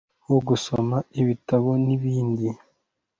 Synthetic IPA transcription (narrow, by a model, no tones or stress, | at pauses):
woɡusomaiβitaβo̞niβiːndi